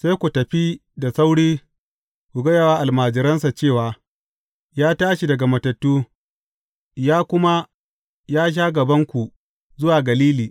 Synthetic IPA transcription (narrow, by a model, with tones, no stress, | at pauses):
sa˦jkʷu˨tɐ˨ɸi˦da˨sa˦wɽiː˦ | kʷu˨ɡɐ˦ja˨waː˦ʔa˨lmaː˨d͡ʒɪ˨ɾɐ˦nsa˨t͡ʃeː˦˨waː˨ | jaː˦taː˦ʃi˨dɐ˨ɡa˨mɐ˨tɐ˨tːuː˦ | jaː˦kʷʊ˦ma˦ | jaː˦ʃ̬aː˦ɡɐ˨bɐ˦ŋkʷu˨ | zʊ˦waː˨ɡɐ˨liː˦liː˨